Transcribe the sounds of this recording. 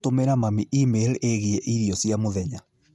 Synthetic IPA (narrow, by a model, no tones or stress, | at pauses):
tomeɾamamiʔimeleɣiɛʔiɾiɔsiamoðɛɲa